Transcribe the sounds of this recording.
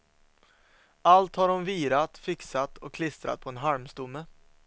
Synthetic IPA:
alt̪haɖɔmviːɾat̪fɪksat̪ʰɔkʰlɪst̪ɾa̰t̪̚pʰɔɛnɦaɾmst̪ʊmːə

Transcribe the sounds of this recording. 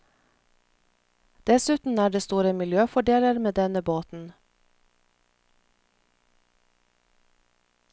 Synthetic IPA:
d̪̥ɛsʉːt̪n̩æːɖeːst̪uːɾəmɪljøːfɔɖeːləɾmeːd̪ɛnəboːt̪n̩

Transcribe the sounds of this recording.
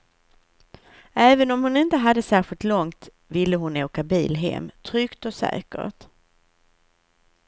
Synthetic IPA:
ɛːvənɔmhʊnɪnt̪əɦad̪ːəsæːɾɧɪlt̪lɔŋt̪ | vɪlːəɦʊnoːkabḭːlɦɛ̰mːt̪ʰɾʏkt̪ɔsɛ̰ːkə̰ʈ

